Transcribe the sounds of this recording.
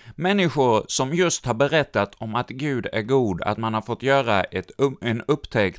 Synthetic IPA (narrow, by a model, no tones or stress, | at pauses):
mɛnːɪɧʊɾsɔmjɵst̪haɾbɛɾɛt̪ːat̪ʰɔmat̪ɡʉ̟ːd̪æɾɡuːd̪a̰t̪manhaɾfɔt̪ːjœːɾaʔɛt̪ɛnɵpːt̪ʰɛkt̪